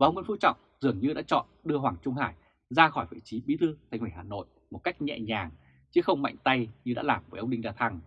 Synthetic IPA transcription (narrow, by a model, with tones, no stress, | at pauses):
vaː˨˧ŋ͡mwnfu˧˦t͡ɕɔ̰˧˨wŋ͡mzɨ˨˩əŋɲɨ˧ɗa̰ː˧˥t͡ɕɔ̰˧˨nɗɨ˧əɦwaː˨˩ŋt͡ɕʊ˧ŋ͡mhaː˧˩j | zaː˧xɔ˧˩jvḭ˧˨˩t͡ɕi˨˦ɓi˨˦t̪ʰɨ˧t̪ʰa˨jŋ̟wi˧˩haː˨˩no̰˧˨j | mo˨˩t̚ka˦˥jk̟̚ɲɛ̰˧˨ɲaː˨˩ŋ | t͡ɕɨ˨˦xə˧wŋ͡mma̰˧˨jŋ̟t̪a˧jɲɨ˧a̰ː˧˥laː˨˩mvə˧˩jʔə˧wŋ͡mɗï˧ŋzaː˧t̪ʰa˧ŋ